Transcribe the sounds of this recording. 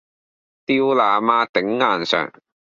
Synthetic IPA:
t̪iː˧wlaː˨˩maː˧t̪ɪ˨˥ŋːaː˨˩nsœ̰ː˨˩ŋ

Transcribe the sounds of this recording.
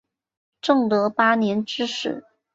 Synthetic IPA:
ʈ͡ʂɤ˥˩ŋt̪ɤ˧˥pa˥njɛ˧˥nʈ͡ʂɻ̩˥ʂɻ̩˨˩˦

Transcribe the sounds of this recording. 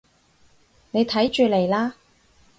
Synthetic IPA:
ne˨˧jt̪ʰɐ˨˥jt͡ʃyː˨˧le˨˩jlaː˥

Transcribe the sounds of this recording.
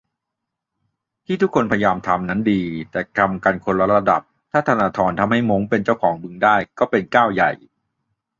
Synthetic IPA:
t̪ʰiː˥˩t̪ʰu˦˥kʰːo˧npʰja˧jaː˧mt̪ʰa˧mna˦˥ndiː˧t̪ɛː˨˩ka˧mka˧nkʰo˧nɾa˦˥tɾa˧da̰˨˩p̚t̪ʰaː˥˩t̪ʰaː˧naː˧t̪ʰɔː˧nt̪ʰa˧mha˥˩jmo˦˥ŋpe˧nt͡ɕaː˥˩wkʰɔː˩˦ŋbɯ˧ŋdaː˥˩jkɔː˥˩pe˧nkaː˥˩wja˨˩j

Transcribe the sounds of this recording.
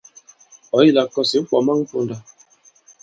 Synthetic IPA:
ɔ˨˦i˦la˨kɔ˦si˨˦k͡pɔ˨ma˦ŋ̩˦po˦nda˨

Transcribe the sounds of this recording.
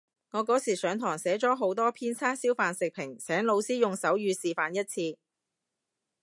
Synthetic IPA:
ŋɔː˨˧kɔː˨˥siː˨˩sœː˨˧ŋt̪ʰɔː˨˩ŋsɛː˨˥t͡ʃɔː˨˥ɦo˨˥wt̪ɔː˥pʰiː˥nt͡sʰaː˥siː˥wfaː˨nsɪ˨k̚pʰɪ˨˩ŋsʰɛː˨˥ŋlo˨˧wsiː˥jʊ˨ŋsɐ˨˥wjyː˨˧siː˨faː˨njɐ˥t̚t͡sʰiː˧

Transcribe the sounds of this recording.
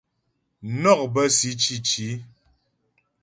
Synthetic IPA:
nɔ˦˨k̚bə˦si˨˦t͡ʃi˦t͡ʃi˨˦

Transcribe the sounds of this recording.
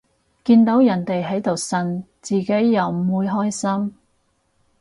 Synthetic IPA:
kiː˧nt̪o˨˥wjɐ˨˩nt̪e˨jɦɐ˨˥jt̪o˨˩wsɐ˨˧n | t͡siː˨˩ke˨˥jːɐ˨wmuː˨˥jɦɔː˥jsɐ˥m

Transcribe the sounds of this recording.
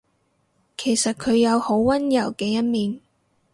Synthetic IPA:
kʰe˨˩jsɐ˨t̚kʰɵ˨˧ɥjɐ˨˧who˨˥wwɐ˥njɐ˨˩wkɛː˧jɐ˥t̚miː˨˧n

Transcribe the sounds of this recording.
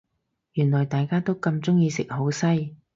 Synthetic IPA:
jyː˨˩nlɔː˨˩jt̪aː˨jkaː˥t̪o˥wkɐ˧mt͡sʊ˥ŋjiː˧sɪ˨k̚ho˨˥wsɐ˥j

